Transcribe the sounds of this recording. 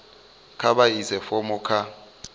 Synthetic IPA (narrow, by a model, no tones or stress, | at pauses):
kʰaɓaizɛfɔmɔkʰa